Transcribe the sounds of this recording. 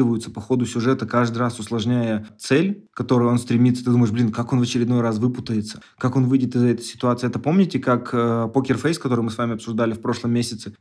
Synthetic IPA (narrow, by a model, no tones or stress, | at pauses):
ɨvəjʊt̪sə̥pɐxo̞d̪ʊsʲʊʐɛt̪əkaʐd̪ɨɾasʊslˠɐʐnʲæjət̪sɛlʲkɐt̪o̞ɾʊjo̞nst̪ɾʲɪmʲit̪sə̥t̪ɨd̪uməɪʂblʲinkako̞nvət͡ɕɪɾʲɪd̪no̞jɾasvɨpʊt̪əjɪt̪sə̥kako̞nvɨjdʲɪt̪ɨzːəɛt̪ə̥sʲɪ̥t̪ʊat̪sɨjɛt̪əpo̞mnʲɪtʲɪkakəpokʲɪrfejskəɐt̪o̞ɾɨjmɨsvamʲɪɐpsʊʐd̪alʲɪfpɾo̞ʂlˠəmʲːesʲɪt̪sɨ